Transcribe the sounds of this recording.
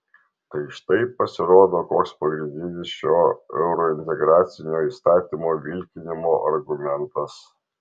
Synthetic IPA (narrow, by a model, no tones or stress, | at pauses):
t̪ɐɪʃɪ̥t̪ɐɪpːɐsʲɪɾoːd̪oːkoːkspɐɡɾʲɪnʲd̪ʲɪnʲɪsʃoːɛ̰ʊɾɔɪnʲt̪ʲɛɡɾɑːt̪sʲɪnʲoːiːst̪ɑːt̪ʲiːmoːʋʲɪlʲkʲɪnʲɪmoːʔɐɾɡʊmʲɛnt̪ɐs